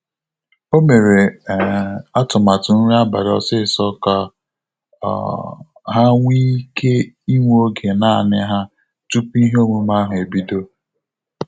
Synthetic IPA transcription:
o˦me˨ɾe˨ | a˦tʊ˨ma˨tʊ˨n̩˦ɾa˦ba̰˨ɾɔ̰˦sɪ˦˨sɔ˦ka˨ | ɦa˦ŋʷi˦kʰe˦ | i˦ŋʷ˦o˦ɡe˨na˦˨nɪ˦ɦa˦ | tu˦pi˦ɦe˦o˦mu˦ma˦ɦʊ˨e˨bi˦do˦

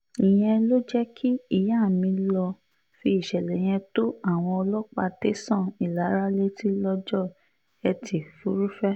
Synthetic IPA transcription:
i˨j̃ɛ̃˧lo˦d͡ʒɛ˦kʰi˦i˦˨ja˦˨mĩ˧lɔ˧ | fi˧i˨ʃɛ˨lɛ˨j̃ɛ̃˧to˦a˦˨w̃ɔ̃˧ɔ˧lɔ˦k͡pa˧te˦sã˦˨i˨la˨˦ɾa˦le˦ti˦lɔ˧d͡ʒɔ˦˨ | ɛ˧tʰi˨fu˨˦ɾu˦fɛ˦

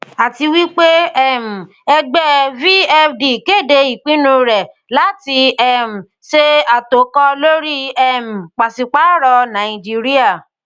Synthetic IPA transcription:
a˨ti˧wi˦k͡pe˦ɛ˦˨m̩˨ | ɛ˧ɡ͡bɛ˦vi˦ɛ˧fdi˨ke˦˨de˧i˨k͡pĩ˨˦nũ˧ɾɛ˨ | la˨˦ti˧ɛ˦˨m̩˨ | ʃe˦a˨to˨˦kɔ˧lo˦ɾi˦ɛ˦˨m̩˨k͡pa˨si˨k͡pa˨˦ɾɔ˧nã˨i˨d͡ʒi˦ɾi˦a˦˨

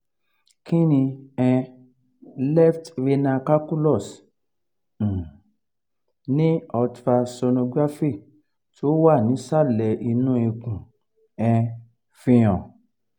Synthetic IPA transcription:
kĩ˦nĩ˧ɛ̃˧ | lɛ˦˨ftɾe˧nã˧ka˦ku˦lɔ˦˨s | nĩ˦ɔ˧ta˧so˧nõ˧ɡa˦fe˦˨ | to˦wa˦˨nĩ˨˦sa˦˨lɛ˨ʔi˧nũ˦i˧kũ˨ | ɛ̃˧ | fĩ˧j̃ɔ̃˨

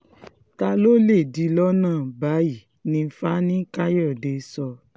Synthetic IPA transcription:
ta˧lo˦le˦˨di˧˦lɔ˦nãː˦˨ba˨˦i˦˨ | nĩ˧˦fa˦nĩ˦ka˦jɔ˦˨de˧˦sɔ˧

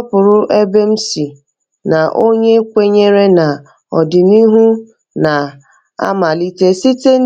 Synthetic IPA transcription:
pʊ˨ɾʊ˦ʔe˦be˦m̩˦si˨ | na˨ʔo˦ɲe˦kʷe˦ɲe˦ɾe˦na˨ | ɔ̰˨dɪ˨ni˦ɦu˦ | na˨ | a̰˦ma˨li˦te˦si˦te˦

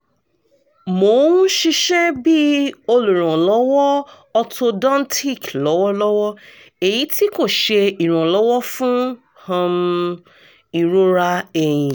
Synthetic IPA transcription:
mo˨˦ũ˦ʃi˧ʃɛ˦bi˦o˧lu˨ɾ̃ɔ̃˨lɔ˨˦wɔ˦ | ɔ˧tʰo˧dã˦n˦tʰi˦˨klɔ˨˦wɔ˦lɔ˦wɔ˦ | e˨ji˨˦ti˦ko˦˨ʃe˧i˨ɾ̃ã˨lɔ˨˦wɔ˦fũ˦ | hã˧m | i˧ɾo˦ɾa˧e˨j̃ĩ˨

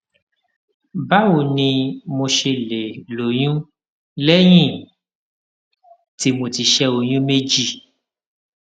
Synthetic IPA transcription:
ba˦wo˦˨nĩ˧mo˧ʃe˧le˨lo˨j̃ũ˦ | lɛ˦j̃ĩ˦˨ | ti˧˦mo˧ti˧ʃɛ˧o˨j̃ũ˦me˦d͡ʒi˦˨

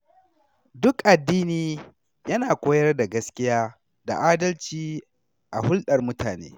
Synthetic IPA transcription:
dʊ˦kʔa˨dːiː˦niː˨ | jɐ˦naː˨kʷoː˦jɐ˦rda˨ɡɐ˦skʲɪ˦jaː˦ | da̰˨ʔaː˦dɐ˦lt͡ʃiː˨˦ | ʔa˨hʊ˦lɗɐ˨rmʊ˦taː˨nḛː˦

